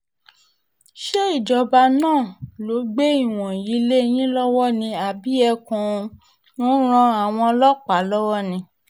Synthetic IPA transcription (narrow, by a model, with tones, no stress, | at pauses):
ʃe˦i˦˨d͡ʒɔ˧ba˧nãː˦˨lo˨˦ɡ͡be˦i˦˨w̃ɔ̃˨ji˨˦le˦˧˦j̃ĩ˦lɔ˦wɔ˦nĩ˧a˨bi˨˦ɛ˧kã˧ | nɔ̃˦ɾ̃ã˧a˨w̃ɔ̃˧lɔ˦k͡pa˨˦lɔ˦wɔ˦nĩ˧˦